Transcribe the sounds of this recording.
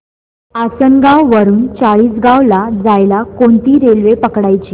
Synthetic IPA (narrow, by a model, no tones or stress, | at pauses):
asənɡawʋəɾuːnt͡saɭiːsɡawlad͡zajlakoɳt̪iːɾelʋepəkɽajt͡ɕiː